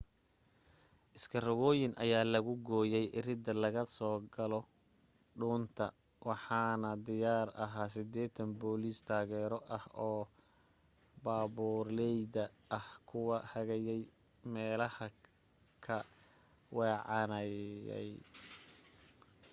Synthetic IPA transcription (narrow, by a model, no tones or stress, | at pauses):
ʔɪskʰɐrɐɣɔːjɪnʔɐ̰jaːlɐɣʊɡɔːjɛjʔɪrɪd̪ɐlɐɣɐsɔːɡɐlɔ | ɖuːnt̪ʰɐ̰ | wʔɑħɑːnɐd̪ɪjaːrɐɦaːs̬ɪd̪ɛːt̪ʰɐnbɔːliːst̪ʰaːɣɛːɾɔʔɐhɔː | baːβuːrlɛjd̪ɐː | hkʰʊwɐhɐɣɐjɛj | mɛːlɐhɐ | kʰɐ | wɛːʕɑnɐɛ̰j